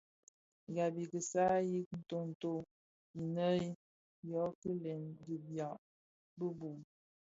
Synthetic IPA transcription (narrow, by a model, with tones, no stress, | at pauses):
ɡa˨bi˨kə˨sa˦ji˦k̚n̩˨to˦n̩˨to˦ | i˨nə˦i˦ | jɔ˨˦kə˦le˨nɡi˨bja˨ʔ | bə˦bu˨